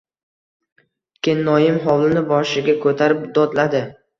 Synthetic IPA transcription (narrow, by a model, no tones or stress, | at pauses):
kʲʰenːɒjɪmɦɒwlɪnɪbɒʃɪɡʲakʰɵt̪ʰaɾɪp̚d̪ɒd̪lad̪ɪ